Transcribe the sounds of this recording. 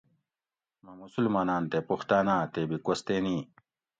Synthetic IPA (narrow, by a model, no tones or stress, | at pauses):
mɐmusulmaːnaːnt̪epuxt̪aːnaːt̪ebikwost̪eːniː